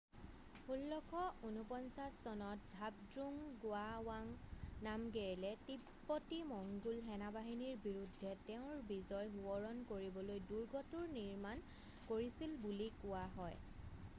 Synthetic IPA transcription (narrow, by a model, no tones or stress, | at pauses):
hulːɔkʰɔunupɔnsasːɔnɔt̚zʱab̚dɹuŋɡʊawaŋnamɡeɹilɛtipːɔtimɔŋɡulɦɛnabaɦiniɹbiɹudʱːɛtɛʊ̃ɹbizɔjɦuɔɹɔnkoɹibɔlojduɹɡɔtuɹniɹman | koɹisilbulikʊaɦɔj